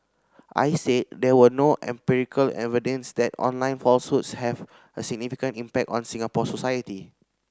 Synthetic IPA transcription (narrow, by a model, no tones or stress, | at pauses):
ʔa̰jsed̚dɛwənoʔɛ̰̃mpiɹikʰəlɛ̰vidə̃nsdɛtɔ̰̃nlãɪ̃nfɔlsutshɛv | əsiɡ̚nifikə̃ntĩmpɛk̚tɔ̰̃nsĩŋapɔsosajəti